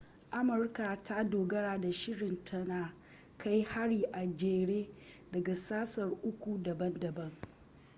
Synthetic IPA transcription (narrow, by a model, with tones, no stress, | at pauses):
ʔa˦mʊ˨rka˨tʰa˦doː˨ɡɐ˦ɽaː˨da˨ʃɪ˦ɽɪ˨ntʰɐ˦naː˨ | kʰa˦jha˦ɽiː˨ʔa˨d͡ʒeː˨ɽeː˦ | dɐ˨ɡa˨saː˦sɐ˨rʔʊ˦kʷu˨dɐ˨bɐ˦ndɐ˨bɐ˦ŋ